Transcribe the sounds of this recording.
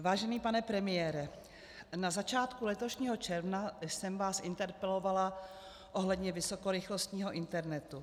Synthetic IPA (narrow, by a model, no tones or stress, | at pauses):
vaːʒɛniːpanɛpɾɛmɪjɛːɾɛ | nazat͡ʃaːt̪kulɛt̪o̞ʃɲiːɦo̞t͡ʃɛɾvnasɛmvaːsʔɪnt̪ɛɾpɛlo̞vala | ʔo̞ɦlɛd̪ɲɛvɪso̞ko̞ɾɪxlo̞st̪ɲiːɦo̞ʔɪnt̪ɛɾnɛt̪u